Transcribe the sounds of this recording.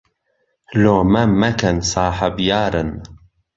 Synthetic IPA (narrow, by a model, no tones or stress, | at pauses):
loːmɐmɐkʰɐnsɑːħəbjaːɾɨn